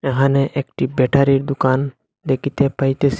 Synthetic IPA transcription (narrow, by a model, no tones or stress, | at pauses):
ɛɦãnɛʔekʈibɛʈʰaɾiɾd̪ukan | d̪ekʰit̪epajt̪esi̥